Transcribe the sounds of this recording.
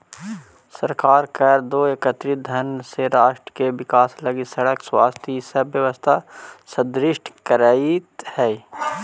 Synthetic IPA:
sɐɾkaːɾkɐɾd̪oːeːkət̪ɾid̪ʱɐnseɾaːʃʈɾəkeʋɪkaːslɐɡisɐɽəkswaːst̪ʰisəbjəʋəst̪ʰasəd̪ɾɪʃʈʰkəɾait̪hɛː

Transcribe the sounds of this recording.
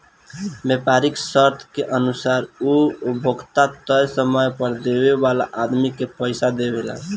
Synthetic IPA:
bepaɾiksəɾt̪ʰkeʔənusaɾubʱoɡt̪at̪əjsəməjpəɾd̪ebebalaʔad̪mikepəɪsad̪ebela̰

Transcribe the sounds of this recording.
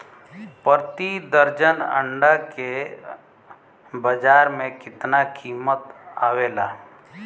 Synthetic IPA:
pəɾt̪id̪əɾd͡ʒənə̰ɳɖake | bəd͡ʒaːɾmẽkɪt̪nakʰiːmət̪a̰ːweːlaː

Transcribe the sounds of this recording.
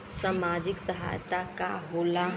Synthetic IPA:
saːmaːd͡ʒɪksɐɦa̰ːjt̪aka̰ɦoːla

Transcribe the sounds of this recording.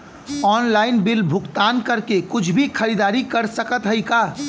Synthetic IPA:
ɔːnlaːɪnbɪlbʱʊɡt̪aːnkɐɾkekʊt͡ʃʰbʱikʰɐɾid̪aːɾikɐɾsəkət̪ɦɐikaː

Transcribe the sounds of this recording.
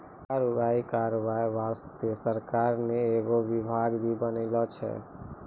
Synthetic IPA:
aɾuɡaikaɾoʋaiʋast̪əsəɾkaɾneeɡoʋibʱaɡbʱibənəlɔt͡ʃʰɛ̰

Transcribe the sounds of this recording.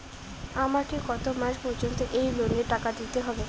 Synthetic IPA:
amakeɡɔt̪omaʃpɔɾd͡ʑont̪oʔejloneʈakad̪it̪eɦɔbe

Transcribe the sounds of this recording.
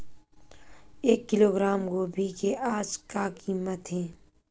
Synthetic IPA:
eːkːɪloːɡɾaːmkoːbʱikeʔaːd͡ʒkakiːmət̪ɦɛ̃ː

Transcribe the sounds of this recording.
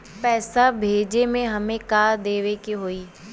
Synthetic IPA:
pɛːsabʱeːd͡ʒemẽɦɐmẽkaːd̪eːʋekiɦoːiː

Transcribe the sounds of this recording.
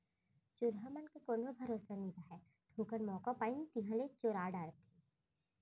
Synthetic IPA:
t͡ʃʊɾɦamənkekoːnobʱɐɾoːsaniɾɐɦe | d̪̥ʱoːkəɾmɔːkapaːinit̪iɦãlet͡ʃoɾaːɖaːɾt̪ʰi̥

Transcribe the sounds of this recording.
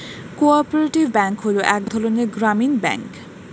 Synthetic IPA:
koɔɾpoɾeʈibbɛŋkɦoloʔɛk̚d̪ʱɔloneɾɡɾaminbɛ̰ŋk

